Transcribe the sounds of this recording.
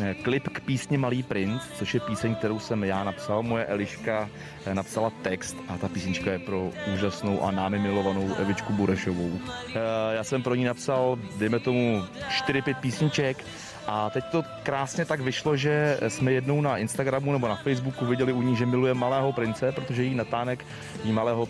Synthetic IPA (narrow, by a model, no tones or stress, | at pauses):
klɪpkpiːsɲɪmaliːpɾɪnt͡st͡so̞ʃjɛpiːsɛɲk̚t̪ɛɾo̞wsɛmjaːnapsalmojɛʔɛlɪʃka | napsalat̪ɛkst̪at̪apiːsɲɪt͡ʃkajɛpɾo̞ʔuːʒasno̞wʔa̰naːmɪmɪlo̞vano̞wʔɛ̰vɪt͡ʃkubuɾɛʃovow | jaːsɛmpɾoɲinapsaldɛjmɛt̪o̞muʃt̪ɪɾɪpjɛt̪̚piːsɲɪt͡ʃɛk | ʔat̪ɛct̪o̞ | kɾaːsɲɛt̪aɡvɪʃlo̞ʒɛsmɛjɛdno̞wnaʔɪnst̪aɡɾamunɛbo̞nafɛjzbukuvɪɟɛlɪʔuɲɪxʒɛmɪlujɛmːalɛːɦo̞pɾɪnt͡sɛpɾot̪o̞ʒɛjɛinat̪aːnɛk | jimalɛːɦo